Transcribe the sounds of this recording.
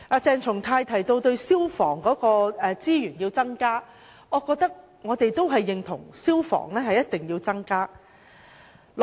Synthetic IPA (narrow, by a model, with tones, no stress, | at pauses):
a˨t͡sɛː˧ŋt͡ʃʰʊ˨˩ŋt̪ʰaː˧jt̪ʰɐ˨˩jt̪o˧wt̪ɵ˧ɥsiː˥wfɔ̰ː˨˩ŋkɔː˨˥kɔː˧ɛː˧t͡siː˥jyː˨˩njiː˧wt͡sɐ˥ŋkaː˥ | ɔː˨˧kɔː˧k̚t̪ɐ˥k̚ | ŋɔː˨˧t̪e˨jt̪o˥wɦɐ˨jːɪ˨ŋt̪ʰʊ̰˨˩ŋsiː˥wfɔ̰ː˨˩ŋlɛː˥ɦɐ˨jɐ˥t̚t̪ɪ˨ŋjiː˧wt͡sɐ˥ŋkaː˥